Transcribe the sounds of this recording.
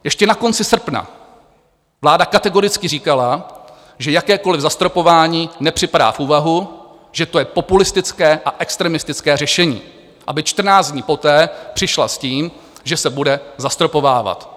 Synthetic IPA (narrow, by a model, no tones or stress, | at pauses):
jɛʃcɛnako̞nt͡sɪsr̩pna̰ | vlaːdakat̪ɛɡo̞ɾɪt͡skɪriːkala | ʒɛjakɛːko̞lɪvzast̪ɾo̞po̞vaːɲiːnɛpr̝̥ɪpada̰ːfuːvaɦu | ʒɛt̪ojɛpo̞pulɪst̪ɪt͡skɛːʔaʔɛkst̪ɾɛmɪst̪ɪt͡skɛːrɛʃɛɲḭː | ʔabɪt͡ʃt̪r̩naːd͡zdɲiːpo̞t̪ɛːpr̥ɪʃla̰sciːm | ʒɛsɛbudɛzast̪ɾo̞po̞vaːva̰t̪